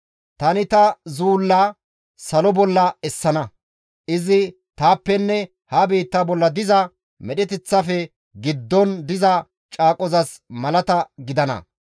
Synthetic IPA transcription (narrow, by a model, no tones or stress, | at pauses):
t̪ɐnɪt̪ɐzuːlːɐ | sɐlɔbɔlːɐɛsːɐnɐ | ʔɪzɪ | t̪aːpːɛnːɛ | hɐbiːt̪ːɐbɔlːɐd̪ɪzɐ | mɛɗɛt̪ɛt͡sːɐfɛ | ɡɪd̪ːɔnd̪ɪzɐ | t͡ʃʼaːkʼɔzɐsmɐlɐt̪ɐɡɪd̪ɐnɐ̰